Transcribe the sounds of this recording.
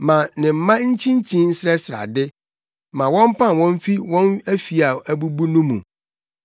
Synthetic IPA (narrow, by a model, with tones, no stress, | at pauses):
mã˨nɪ̃˨m̩˨mã˦ɲ̩˦t͡ɕʰĩ˦ɲ˦t͡ɕʰĩ˦n̩˦sɾɛ˦sɾa̰˨dɪ˦ | mã˨wɔ̃˦m˦pʰã˦˨n˨wɔ̃˦n˦fi˦wɔ̃˦næ˦fi˨a˨æ˨bu˦bu˦nũ˦mṵ̃˨